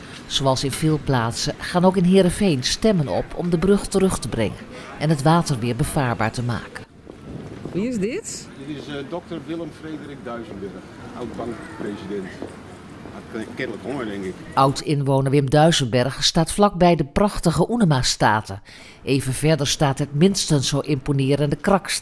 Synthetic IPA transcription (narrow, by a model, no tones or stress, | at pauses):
z̥oɑlˠsɪnv̥ɪːlˠplaːtsəχaːnowkɪnɦɪːɾəfejnstɛmənɔ̰pʰɔ̰mdəbrɵχtərɵχtəbrɛ̰ŋən | ɛnɦətʋaːtəɹʋɪːɹbəv̥aːɹba̰ːɹtəma̰ːkən | ʋiɪzdɪtdɪtɪsdɔk̚təɹʋɪlˠəmfreːdərɪk̚dœɥzənbɛɹxawt̚bɑŋkprezidɛnt | kɛtləkhodɛŋkɪkʔʌwtɪnʋownəɹʋɪmdœɥzənbɛɹχstaːtflɑɡ̚bɛjdəprɑχtəχəʔunəmastaːtə | ʔejvənvɛɹdəɹstaːtɦətmɪnstənsowʔɪmponɪːɾəndəkrɑks